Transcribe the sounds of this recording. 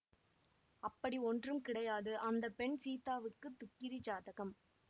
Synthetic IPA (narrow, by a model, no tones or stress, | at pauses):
ɐpːɐɽiɔndrɯmkɪɽɐjaːðɯʔɐnd̪ɐpːɛɳsiːt̪aːʋɯkːɯt̪ːʊkːɪɾit͡ʃaːðɐɣɐm